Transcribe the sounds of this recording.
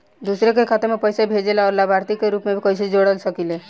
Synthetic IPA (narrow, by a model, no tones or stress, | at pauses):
d̪usɾekekʰat̪eɾmepəjsabʱed͡ʒelaɔɾlabʱaɾt̪ikːeɾupmebʱikɔɪsid͡ʒoɽəlsəkile